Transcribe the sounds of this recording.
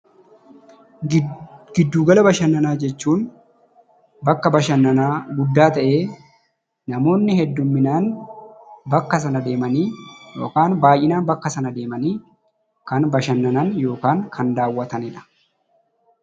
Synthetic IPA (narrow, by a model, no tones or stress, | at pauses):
ɡ̥ɪd̪ːuːɡɐlɐbɐʃɐnːɐnaːd͡ʒɛt͡ʃːuːn | bɐkːɐbɐʃɐnːɐnaːɡʊd̪ːaːt̪ɐʔeː | nɐmo̞ːnːɪhɛd̪ːʊmːɪnaːn | bɐkːɐs̬ɐnɐd̪e̞ːmɐniːjo̞̰ːkaːnbaːjʔɪnaːnbɐkːɐsɐnɐd̪e̞ːmɐniː | kɐnbɐʃɐnːɐnɐnjo̞ːkaːŋkʰɐnd̪aːwːɐt̪ɐnɪᶑɐ̥